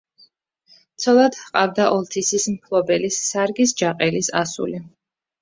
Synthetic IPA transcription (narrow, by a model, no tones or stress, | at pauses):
t̪sʰɔlˠad̪hqʼavd̪aʔɔlˠt̪ʰisismpʰlˠɔbɛlisːaɾɡisd͡ʒaqʼɛlisasṵli